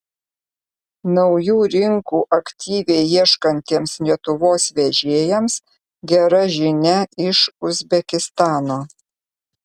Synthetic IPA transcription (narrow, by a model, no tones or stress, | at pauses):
nɒʊjuːɾʲɪŋkuːʔɐkʲt̪ʲiːʋʲɛɪiɛʃkɐnʲt̪ʲeːmslʲiɛt̪ʊʋoːsʋʲɛʒʲeːjɛms | ɡʲɛɾɐʒʲɪnʲɛɪʃʊzʲbʲɛkʲɪst̪ɑːnoː